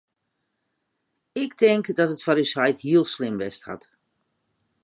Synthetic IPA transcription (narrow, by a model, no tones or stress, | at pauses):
ɪktɪŋkdɔtətfaɾysajthiəlˠslɪmʋɛstha̰t